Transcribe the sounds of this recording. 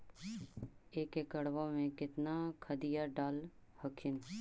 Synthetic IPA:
eːkekəɽʋamẽkɪt̪nakʰəd̪ijaɖaːlhəkʰɪn

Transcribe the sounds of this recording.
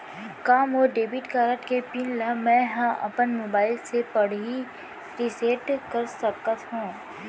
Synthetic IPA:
kaːmoːɖeːbiʈkaːɾəʈkepɪnlamɛ̃ɦãʔɐ̰pənmoːbaːɪlsepɐɽ̤i | ɾɪseːʈkəɾsəkət̪ɦũː

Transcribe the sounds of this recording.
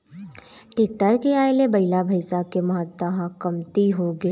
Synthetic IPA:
ʈɪk̚ʈəɾkeaːjlebɐɪlabʱɐɪsakemɐɦət̪ːaɦãkɐmt̪iɦoɡeː

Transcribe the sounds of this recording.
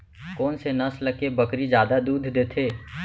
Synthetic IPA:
kɔːnsenɐslɐkebɐkɾid͡ʒjaːd̪ad̪uːd̪ʱd̪eːt̪ʰeː

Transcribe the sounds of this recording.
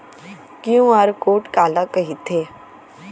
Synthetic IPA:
kjũaɾkoːʈkaːlakɐɦit̪ʰeː

